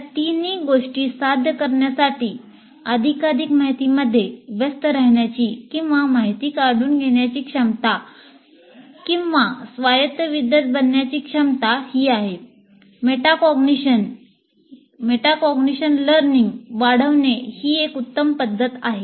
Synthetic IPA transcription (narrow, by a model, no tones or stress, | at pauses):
t̪iniːɡoʂʈiːsad̪ʱjəkəɾɳjasaʈiː | əd̪ʱikaɾikmaɦit̪iməd̪ʱːjeʋjəst̪əɾəɦɳjat͡ɕiːkĩw̃ʋamaɦit̪iːkaɽ̤uːnɡʱeɳjat͡ɕiːkʂəmt̪a | kĩw̃ʋasʋajət̪jəʋid̪jət̪̚bənːjat͡ɕiːkʂəmt̪ahiːaɦe | meʈakɔɡniɕən | meʈakɔɡniɕənləɾniŋɡʋaɽ̤əʋnehiːekut̪ːəmpəd̪ʱːət̪aɦe